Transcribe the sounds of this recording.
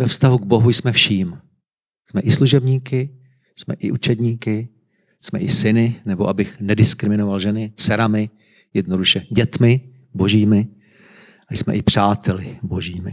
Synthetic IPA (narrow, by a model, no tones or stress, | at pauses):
vɛfst̪aɦuɡ̚bo̞ɦujsmɛfʃiːm | jsmɛʔɪsluʒɛbɲiːkɪ | jsmɛ̰ʔɪʔut͡ʃɛdɲiːkɪ | smɛ̰ʔɪsɪnɪnɛboʔabɪxnɛdɪskɾɪmɪno̞valʒɛnɪsɛɾamɪ | jɛdno̞duʃɛɟɛt̪mɪ | bo̞ʒiːmɪ | ʔajsmɛ̰ʔɪpr̥aːt̪ʰɛlɪbo̞ʒiːmɪ̰